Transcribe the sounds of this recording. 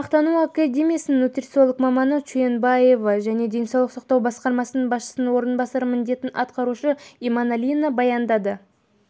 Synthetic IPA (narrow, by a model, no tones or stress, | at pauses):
ɑqt̪ɑnuakad̪ʲe̞mʲijasənːut̪rʲt̪so̞lˠəkmɑmɑnət͡ʃuje̞nbɑje̞vɑʒæne̞d̪e̞nsɑwlˠəqsɑq̚t̪ɑwbɑsqɑɾmɑsənəɴbɑsʃə̥sənənwo̞ɾənbɑsɑɾəmɪnd̪e̞t̪ɪnʔɑ̰t̪̚qɑɾuʃəimanalʲinabɑjɑnd̪ɑd̪ə